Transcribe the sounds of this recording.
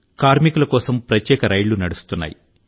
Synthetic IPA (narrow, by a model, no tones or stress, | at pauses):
kaːɾmikulɐkɔːsɐmpɾɐt̪jɛːkɐɾɐjɭunɐɽust̪unːa̰ːjḭ